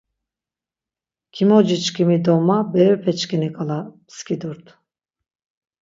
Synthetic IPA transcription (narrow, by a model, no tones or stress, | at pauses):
kʲʰimod͡ʒit͡ʃkʰimid̪omabɛypʰɛt͡ʃkinikʰalˠa | skʲid̪uɾt̪